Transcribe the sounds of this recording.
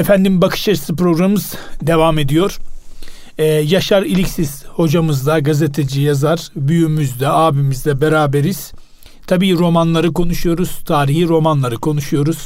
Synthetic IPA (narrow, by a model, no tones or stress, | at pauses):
efænd̪imbakʰɯ̥ʃaɾisɯpɾo̞ɡɾamɯz̥d̪e̞vame̞d̪ijo̞ɾ̥ | ɛːjaʃaɾilʲicsisho̞d͡ʒamɯzd̪aɡaze̞t̪ʰe̞d͡ʒijazaɾ̥byjymyzd̪ɛaːbimizd̪ɛbeɾaːbe̞ɾiz̥ | t̪ʰabiːɾo̞manlˠaɾɯko̞nuʃujo̞ɾuz̥t̪ʰaːɾiɦiɾo̞manlˠaɾɯkʰo̞nuʃujo̞ɾuz̥